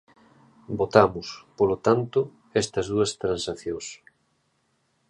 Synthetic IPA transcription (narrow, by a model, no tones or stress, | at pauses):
bot̪amʊspolot̪ant̪ʊ | ɛst̪ɐzðuɐst̪ɾansaθjõŋs